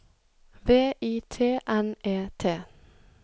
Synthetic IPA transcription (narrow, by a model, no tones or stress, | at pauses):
ʋeːʔiːt̪ʰeːʔæneːt̪ʰeː